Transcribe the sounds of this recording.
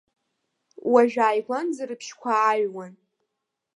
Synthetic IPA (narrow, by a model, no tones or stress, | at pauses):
waʒᶣaːjɡʷʼanzaɾɨpʰʃkʷʰaːɥwan